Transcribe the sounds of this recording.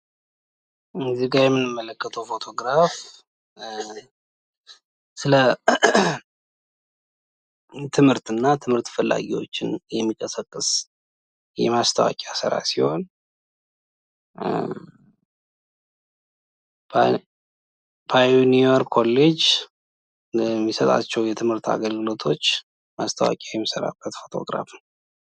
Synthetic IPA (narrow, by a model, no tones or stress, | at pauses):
ɨnziɡaɾjɛmːɨnːɨmːələkːət̪ʰəwfo̞t̪ʰo̞ɡɾaf | sɨlə | t̪ʰɨmhɨɾt̪ɨnːat̪ʰɨmhɨɾt̪fɨlːa̰ɡiwo̞̰t͡ʃːɪnjɛmːikʼəsəkʼːɨs | jɛ̰mast̪ʰawa̰kʼasɨ̰ɾa̰siho̞n | pʰajunioɾkʰo̞lːe̞d͡ʒ | mːisət̪ʼa̰t͡ʃːɛwjɛt̪ʰɨmhɨɾt̪a̰ɡəlɡɨlo̞t̪ʰo̞t͡ʃː | mast̪ʰəwa̰kʼajɛmːisəɾa̰b̥ːət̪fo̞t̪ʰo̞̰ɡɾa̰fn